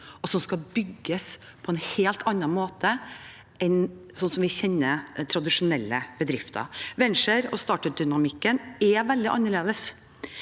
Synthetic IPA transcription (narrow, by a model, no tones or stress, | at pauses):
ɔsɔmskɑbʏɡːəs | pʰɔɛnheːlt̪ʰɑnːɑnmoːt̪ʰə | ɛnsɔnsɔmʋɪçɛnːət̪ʰɾɑd̪ɪʂʊnɛlːəb̥əd̪ɾɪft̪ʰə̰ɾʋɛnʂəɾɔ̰st̪ɑːʈəd̪ʏnɑmɪkːənɛʋɛld̪ɪʔɑ̰nːəɭeːd̪əs